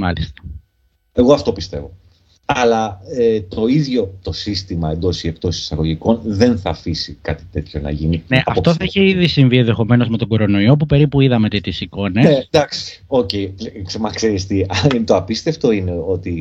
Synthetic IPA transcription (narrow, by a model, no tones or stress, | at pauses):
mɐlist̪ɐ̥ | e̞ɣo̞ɐft̪o̞pist̪e̞̰vo̞ | ɐlɐet̪o̞iðʝo̞t̪o̞sist̪imɐend̪o̞siek̚t̪o̞sisi̥sɐɣoʝiko̞nðe̞nθɐːfisikɐt̪i̥t̪e̞t̪ço̞nɐ̰ʝinineʔɐɐft̪o̞θɐiçeiðisiɱvienðe̞xo̞me̞no̞zme̞t̪o̞ɡo̞ɾo̞no̞iop̬upe̞ɾipuiðɐme̞t̪et̪isiko̞nenesd̪ɐksi̥ | oceiksemɐkseɾist̪iɐt̪oɐpist̪e̞ft̪o̞ine̞o̞t̪i